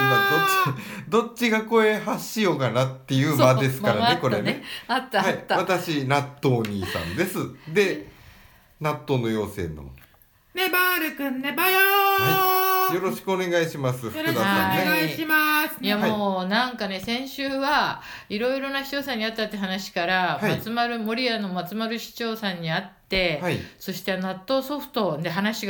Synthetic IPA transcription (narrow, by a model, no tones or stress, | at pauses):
mad̪od̪o̞t͡ɕːiɡako̞e̞haɕijo̞kanat̪ːe̞jɯ̟ːmad̪e̞sɨ̥kaɾaneko̞ɾe̞neat̪ːahaiːaβat̪aɕinat̪ːo̞ːɲ̟iːsã̰nd̪e̞sɨd̪e̞ | nat̪ːo̞no̞jo̞ːse̞̰ːnːo̰mo̰ | nebaːɾɯkɯ̃nːebajoejo̞ɾoɕi̥kɯone̞ɡaiɕimasɨɾkɯd̪aaã̰aiɕimasɨjamoːnãŋkane̞sẽ̞ɰ̃ɕɨːβa | iɾo̞iɾo̞naɕi̥t͡ɕo̞ːsãɲ̟ːiat̪ːat̪ːeɦanaɕi̥kaɾaamat͡sɨmaɾɯ̟mo̞ɾʲiano̞mat͡sɨmaɾɯ̟ɕi̥t͡ɕo̞ːsãɲ̟ːiat̪ːe̞aiso̞ɕi̥t̪enat̪ːo̞so̞ɸɯ̟̥t̪o̞nd̪eɦanaɕiɡ